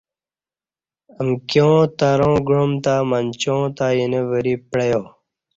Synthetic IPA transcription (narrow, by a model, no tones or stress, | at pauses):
əmkjõːt̪aɾõːɡɻomt̪amant͡ɕõːt̪ajineʋəɾipɽɐjoː